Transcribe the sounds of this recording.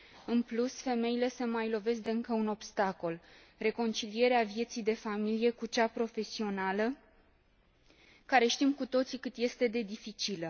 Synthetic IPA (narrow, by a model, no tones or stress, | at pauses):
ɨnplusfe̞me̞ile̞səmajlo̞ve̞sd̪eɨŋkəuno̞bst̪ako̞l | re̞ko̞nt͡ʃilie̞ɾeavje̞t̪sijd̪e̞familije̞kut͡ʃapɾo̞fe̞sio̞nalə | kaɾe̞ʃt̪imkut̪o̞t̪sikɨt̪je̞st̪e̞d̪e̞d̪ifit͡ʃilə